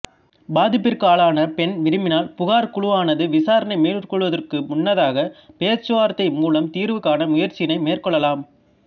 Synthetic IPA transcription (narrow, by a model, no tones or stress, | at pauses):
baːðɪpːɪɾkaːɭaːnɐpɛnʋɪɾɯmɪnaːlpʊɣaːɾkʊɭʊʋaːnɐðɯʋɪsaːɾɐnɐɪmeːlɯrkɔɭʋɐðɐrkɯmʊnːɐðaːɣɐpeːt͡ʃːɯʋaːɾt̪ːɐɪmuːlɐmt̪iːɾʋɯkːaːnɐmʊjɐɾt͡ʃɪjɪnɐɪmeːrkɔɭːɐlaːm